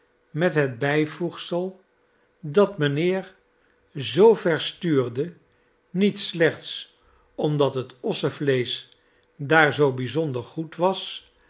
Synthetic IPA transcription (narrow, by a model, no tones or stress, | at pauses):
mɛtɦəd̚bɛjvuχsəlˠ | dɑtmənɪːɹ | zowvɛɹstyːɹdə | nitslɛχts | ɔmdɑtɦətɔsəvlejs | daːɹzowbizɔndəɹχutʋɑs